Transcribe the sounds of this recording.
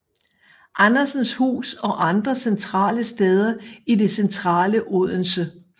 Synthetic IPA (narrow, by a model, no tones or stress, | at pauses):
ʔɑnɐsn̩shṵːsɒ̽ʔɑ̈nd̥ʁɐsent͡sʰʁɑ̰̈ːləsd̥eːð̞ˠɐide̝sent͡sʰʁɑ̰̈ːləʔoð̰ˠn̩sə